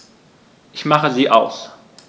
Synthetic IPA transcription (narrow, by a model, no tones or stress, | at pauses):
ʔɪçmaχəziːʔaʊs